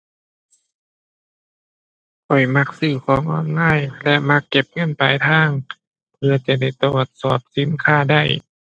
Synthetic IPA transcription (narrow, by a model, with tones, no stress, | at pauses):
pɔ˨˩jma˧˥k̚sɯː˧˩kʰɔː˧˦ŋʔɔː˧˩nŋaː˧˥˨jlɛ˧ʔma˧˥kːe˧˩p̚ŋɤ˧˥˨npa˨jt̪ʰaː˧˥˩ŋ | pʰɯ˧ɐt͡ɕa˧˩da˧˩jt̪o˧˨˩t̪̚sɔː˨˩p̚si˧˦nkʰaː˧˥˩da˧˩j